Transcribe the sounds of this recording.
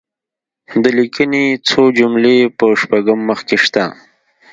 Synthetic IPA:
d̪əlikənet͡sʰod͡ʒumlepəʃpaɡəmːəxkeʃt̪a

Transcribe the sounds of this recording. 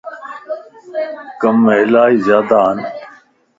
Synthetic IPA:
kəmːeɪlaːiːzjaːd̪aːɦən

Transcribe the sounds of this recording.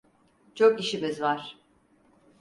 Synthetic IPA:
t͡ʃʰokiʃimizvaɾ̥

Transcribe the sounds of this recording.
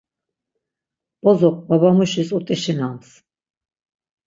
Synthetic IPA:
b̥ʼɔzɔk̚ʰʼbaβamuʃisut̪ʼiʃinams

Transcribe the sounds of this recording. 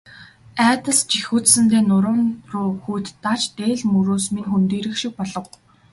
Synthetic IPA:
æːt̪ə̆ɮst͡ɕixuːt͡ssɘ̆nt̪eːnʊɾʊːnrʊːxujt̪ːat͡ɕt̪eːɮmuɾoːsminxunt̪eːɾɘ̆kʃik̚pɔɮɞ̆w

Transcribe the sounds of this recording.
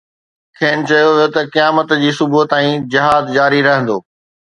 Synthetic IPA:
kʰeːn̆t͡ɕɐjoʋot̪ɐkijaːmət̪d͡ʑiːsʊbuɦət̪aːĩd͡ʑɪɦaːd̪d͡ʑaːɾiɾɐɦə̃nd̪oː

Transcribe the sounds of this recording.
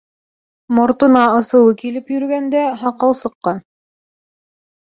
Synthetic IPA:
mŏɾt̪ɤ̆nɑɤ̆sɤ̆wɤkilɘpjɵ̆ɾɡænd̪æɦɑqɤlˠsɤ̆qːɑn

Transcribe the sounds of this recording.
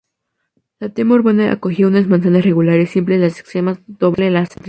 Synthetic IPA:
lat̪emoɾβonaʔa̰koxjounazmãns̬anasre̞ɣulaɾesːimplezlase̥kst̪ɾemazd̪oβlelast̪ɾ

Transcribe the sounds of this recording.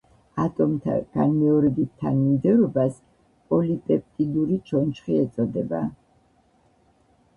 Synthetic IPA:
at̪ʼɔmt̪ʰa̰ɡ̥anmɛɔɾɛbit̪t̪ʰːanmimd̪ɛɾɔbas | pʼɔlipʼɛp̚ʼt̪ʼid̪uɾit͡ʃʰɔnt͡ʃχiɛt̪sʼɔd̪ɛba̰

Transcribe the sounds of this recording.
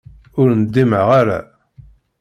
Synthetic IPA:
ʊɾnəd̪ːiməʁaɾa̰

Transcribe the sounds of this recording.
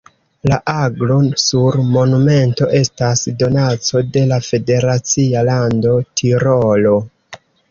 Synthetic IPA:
laʔaɡlo̞nsuɾmo̞nume̞nto̞ʔe̞stasdo̞nat͡so̞de̞lafe̞de̞ɾat͡sialando̞tʰiɾolo̞

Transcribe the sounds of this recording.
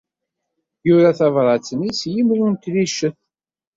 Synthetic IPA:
jʊɾaθɑvɾˤɑt͡sːənisjimlunt̪liʃəθ

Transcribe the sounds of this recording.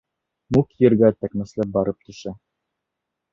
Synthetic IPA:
mukjɘ̆ɾɡæt̪ækmɘ̆slæp̚bɑɾɤp̚t̪ɵ̆ʃæ

